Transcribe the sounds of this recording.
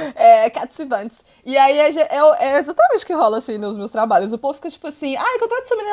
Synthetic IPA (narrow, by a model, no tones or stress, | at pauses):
ɛkat̪sivɐ̃t͡ʃɪs | ɪaiaʒeʔɛwɛezat̪ɐmẽnt͡ʃɪʊ̥kɪɦɔlɐasĩnʊzmewst̪ɾabaʎʊs̬ʊpovʊfi̥kɐt͡ʃi̥pʊasĩajkõt̪ɾat̪ʊseminĩ